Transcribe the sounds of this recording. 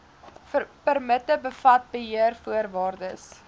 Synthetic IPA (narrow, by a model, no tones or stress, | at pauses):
pərmətəbəfɐt̚bəɦiərfuərvɑːrdəs